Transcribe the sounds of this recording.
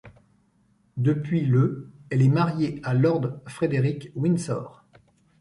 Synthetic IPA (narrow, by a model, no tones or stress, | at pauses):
d̪əpɥiləɛlɛmaʁjealɔʁd̪fχed̪eʁikwinsɔ̰ʁ